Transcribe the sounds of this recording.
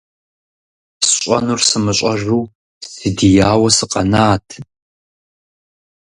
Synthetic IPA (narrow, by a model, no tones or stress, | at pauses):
sɕɕʼɐnursɨmɨɕʼɐʒuː | sɨdijaːwɐsɨqʼɐnaːtʰ